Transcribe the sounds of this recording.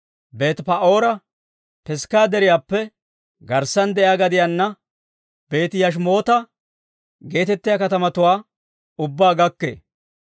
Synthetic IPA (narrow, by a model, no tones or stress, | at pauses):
be̞ːt̪pɐʔo̞ːɾɐ | pɛskaːd̪ɛɾɪjaːpːɛ | ɡɐɾsːɐnd̪ɛʔjaːɡɐd̪ɪjanːɐ | b̥e̞ːt̪jɐʃ̬mo̞ːt̪ɐ | ɡe̞ːt̪ɛt̪ːɪjakɐt̪ɐmɐt̪ʊwaː | ʊbːaːɡɐkːḛː